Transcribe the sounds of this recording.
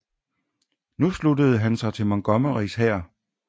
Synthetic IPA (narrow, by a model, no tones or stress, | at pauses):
nusludəð̞̩ˠɦænsɑ̈ɪt͡sʰe̝lmɒŋɡ̥ɒ̽məʁishɛɐ̰